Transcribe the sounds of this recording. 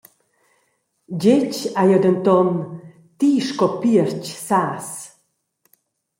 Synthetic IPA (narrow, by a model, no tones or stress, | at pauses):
d͡ʑet͡ʃajɔd̪ənt̪ɔn | t̪iːʃkɔpiəɾcsaːs